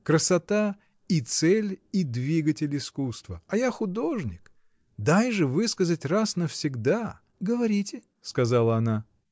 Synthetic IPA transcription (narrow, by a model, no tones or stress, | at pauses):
kɾəsɐt̪a | it̪sɛlʲid̪vʲiɡətʲɪlʲɪskust̪vəɐjaxʊd̪o̞ʐnʲɪk | d̪ajʐɨvɨskəzətʲrasnəfsʲɪɡd̪a | ɡəvɐɾʲitʲɪ | skɐzalˠəɐna